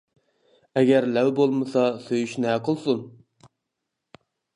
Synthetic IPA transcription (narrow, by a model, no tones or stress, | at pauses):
ɛɡʲæɾlɛwbolˠmɨsɑsøjyʃnɛqʰəlˠsun